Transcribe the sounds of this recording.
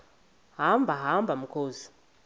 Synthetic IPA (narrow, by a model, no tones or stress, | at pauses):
ɦambʱaɦambʱamukʰoːzi̥